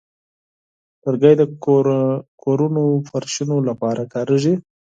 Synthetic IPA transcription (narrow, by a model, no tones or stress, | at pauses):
təɾɡajd̪ə | kʰoɾunofaɾʃinolapɑɾʔakɑɾəʒi